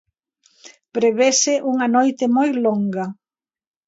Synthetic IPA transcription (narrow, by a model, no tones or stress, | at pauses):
pɾeβesɪʔuŋɐnojt̪ɪmojloŋɡɐ